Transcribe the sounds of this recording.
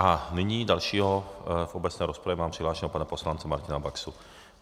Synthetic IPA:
ʔanɪɲiːd̪alʃiːɦɔvɔbɛt͡snɛːɾɔspɾavɛmaːmpr̥iɦlaːʃɲɛɦɔpanapɔslant͡sɛmaɾcinabaksu

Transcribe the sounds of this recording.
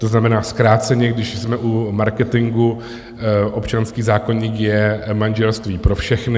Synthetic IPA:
t̪oznamɛnaːskɾaːt͡sɛɲɛɡdɪʃsmɛʔumaɾkɛt̪ɪŋɡu | ʔo̞pt͡ʃanskiːzaːko̞ɲiːkjɛmanʒɛlst̪viːpɾo̞fʃɛxnɪ

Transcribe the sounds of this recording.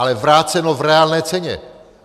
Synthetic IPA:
alɛvɾaːt͡sɛno̞vɾɛaːlnɛːt͡sɛɲɛ̰

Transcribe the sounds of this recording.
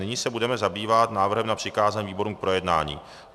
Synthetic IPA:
nɪɲisɛbudɛmɛzabiːvat̪naːvr̩ɦɛmnapr̥ɪkaːzaɲviːbo̞ɾumk̚pɾojɛdna̰ːɲḭː

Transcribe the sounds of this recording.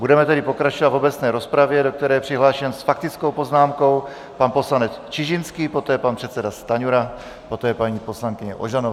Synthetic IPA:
budɛmɛt̪ɛdɪpo̞kɾat͡ʃovad̪vo̞bɛt͡snɛːɾo̞spɾavjɛdo̞k̚t̪ɛɾɛːpr̥ɪɦlaːʃɛnsfakt̪ɪt͡sko̞wpo̞znaːmko̞w | panpo̞slanɛt͡st͡ʃɪʒɪnskiːpo̞t̪ɛːpanpr̥ɛt̪t͡sɛdast̪aɲuɾa | po̞t̪ɛːpaɲiːposlaŋkɪɲɛʔoʒanov

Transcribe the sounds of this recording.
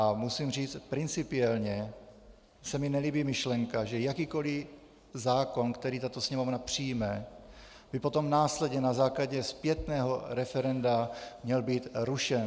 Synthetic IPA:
amusimr̝iːt͡st̪pɾɪnt͡sɪpɪɛlɲɛ | sɛmɪnɛliːbiːmɪʃlɛŋkaʒɛjakiːko̞lɪ | zaːko̞nkt̪ɛɾiːt̪at̪osɲɛmovnapr̝̥ijmɛ | b̥ɪpo̞t̪o̞mnaːslɛdɲɛnazaːklaɟɛspjɛt̪nɛːɦo̞ɾɛfɛɾɛndamɲɛlbiːt̪ɾuʃɛn

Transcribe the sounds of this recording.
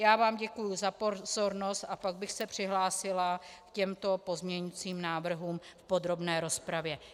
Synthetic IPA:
jaːvaːmɟɛkujuzapozo̞ɾno̞st̪ʔapaɡ̚bɪxsɛpr̝̥ɪɦlaːsɪlakcɛmt̪o̞po̞zmɲɛɲit͡siːmnaːvr̩ɦuːmfpo̞d̪ɾo̞bnɛːɾo̞spɾavjɛ

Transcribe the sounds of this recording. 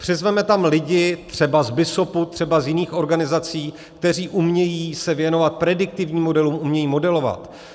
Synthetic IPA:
pr̥ɪzvɛmɛt̪amlɪɟɪt̪r̝̥ɛbazbɪso̞put̪r̥ɛbazjɪniːxo̞ɾɡanɪzat͡siː | kt̪ɛr̝iːʔumɲɛjiːsɛvjɛno̞vat̪̚pɾɛdɪk̚t̪ɪvɲiːmːo̞dɛluːmʔumɲɛjiːmo̞dɛlo̞va̰t̪

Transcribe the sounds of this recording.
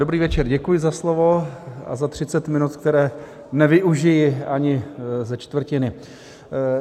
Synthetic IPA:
dobɾiːvɛt͡ʃɛɾɟɛkujɪzaslovo̞a̰zat̪r̝̥ɪt͡sɛt̪mɪnut̪k̚t̪ɛɾɛː | nɛvɪʔuʒɪjɪaɲɪzɛt͡ʃt̪vr̩cɪnɪ

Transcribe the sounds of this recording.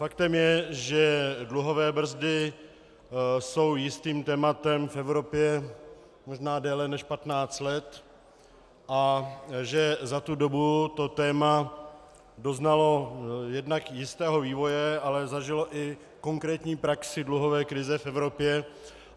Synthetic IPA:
fakt̪ɛmjɛʒɛdluɦo̞vɛːbr̩zdɪ | so̞wjɪst̪iːmt̪ɛːmat̪ɛmfɛvɾo̞pjɛ | mo̞ʒnaːdɛːlɛnɛʃpat̪naːt͡st̪lɛt̪ | ʔaʒɛzat̪udo̞but̪o̞t̪ɛːma | do̞znalo̞jɛdnakjɪst̪ɛːɦo̞viːvo̞jɛalɛzaʒɪlo̞ʔɪ | ko̞ŋkɾɛːt̪ɲiːpɾaksɪdluɦo̞vɛːkɾɪzɛfɛvɾo̞pjɛ

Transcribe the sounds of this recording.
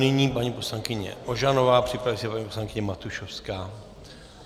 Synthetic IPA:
nɪɲiːpaɲiːpo̞slaŋkɪɲɛ̰ʔoʒanovaːpr̝̥ɪpɾavisɛpaɲiːpo̞slaŋkɪɲɛmat̪uʃofskaː

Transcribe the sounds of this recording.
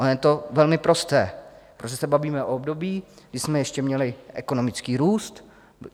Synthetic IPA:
ʔonjɛt̪o̞vɛlmɪpɾo̞st̪ɛːpɾoʒɛsɛbaviːmɛʔoobdo̞biː | ɡdɪsmɛjɛʃcɛmɲɛlɪʔɛ̰ko̞nomɪt͡skiːɾuːst̪

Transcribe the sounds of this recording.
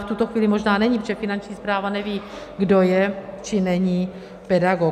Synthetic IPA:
ft̪ut̪oxviːlɪmoʒnaːnɛɲipʒɛfɪnant͡ʃɲiːspɾaːvanɛviː | ɡdo̞jɛt͡ʃɪnɛɲi | pɛdaɡo

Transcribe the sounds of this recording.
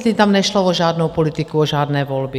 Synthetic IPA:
ziːt̪amɲɛʃlɔɔʒaːd̪nuwpɔlit̪ikuɔʒaːd̪nɛjʋɔlbi

